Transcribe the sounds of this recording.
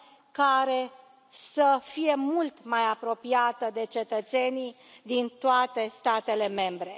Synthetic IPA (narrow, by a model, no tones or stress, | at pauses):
kaɾe̞ | səfije̞mult̪majapɾo̞piat̪əd̪e̞t͡ʃe̞t̪ət̪se̞ni | d̪int̪oat̪e̞st̪at̪e̞le̞me̞mbɾe̞